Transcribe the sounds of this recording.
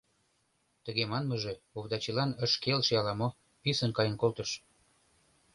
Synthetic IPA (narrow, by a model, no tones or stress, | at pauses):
t̪əɣemɑnməʒe̽oβd̪ɑt͡ɕilɑnəʃkelʃjɑlɑmo | pisənkɑjə̆nkolt̪əʃ